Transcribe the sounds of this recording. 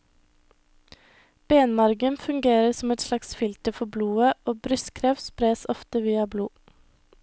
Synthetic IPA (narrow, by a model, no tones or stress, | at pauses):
b̥eːnmɑɾɡənfʉŋɡeːɾəsɔmɛt̪slɑksfɪlt̪əfɔbluːəʔoːbɾʏskʰɾɛfspɾeːsɔft̪əʋiːɑbluː